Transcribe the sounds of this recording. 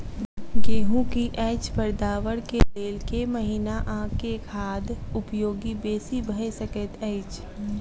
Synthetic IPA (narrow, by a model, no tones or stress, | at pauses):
ɡeːɦũkiʔɛɪt͡ʃpəɾd̪aːʋəɽkeleːlkeməɦinaʔãːkekʰaːd̪ʊpjoːɡibeːsibəesəkət̪ɛɪt͡ʃ